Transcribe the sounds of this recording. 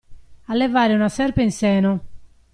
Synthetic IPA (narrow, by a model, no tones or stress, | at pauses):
alːɛvaːɾɪunasɛɾpeinsɛːnʊ